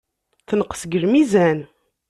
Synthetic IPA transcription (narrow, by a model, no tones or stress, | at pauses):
θnəqsɡəɾmizæn